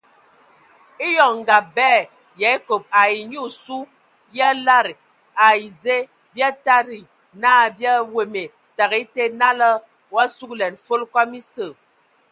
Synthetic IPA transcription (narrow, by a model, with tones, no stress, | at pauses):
i˦jɔ˨ŋŋ˨ɡa˨bɛ˦˨ | jɛ˨˦ko˨p̚a˨i˨ɲu˦˨su˦ | ja˦la˦˨ɾi˨ | a˨i˨d͡ze˦ | bja˦ta˦ɾi˨ | naː˦˨bja˦we˨me˨ | ta˨ɣi˨˦te˦na˦lə˦ | wa˦su˦klɛ˨nfo˦lkɔ˦mi˦sə˦˨